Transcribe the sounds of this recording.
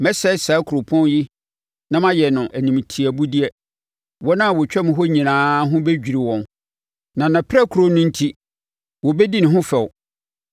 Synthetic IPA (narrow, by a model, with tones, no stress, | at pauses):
mɛ˦sɛ˦saː˨˦kʰu˨ɾʊ˨pʰɔ̃˦n˦ji˦ | nã˦mã˦jɛ˨nʊ̃˨ʔæ˨nĩ˨m˨tʰi˨æ˨bu˦di˦ɛ˨ | wɔ˦nã˦a˨wɔ˨t͡ɕᶣɛ˦mɪ̃˨ɦɔ˦ɲĩ˨nãː˨˦ɦʊ̃˦be˦d͡ʑᶣi˨ɾi˨wɔ̃˨n | nã˨nã˨pʰɾɛ˦kʰɾo˦nʊ̃˦n̩˦tʰi˦ | wɔ˨bɛ˦di˦nɪ̃˨ɦʊ̃˦fɛ˨w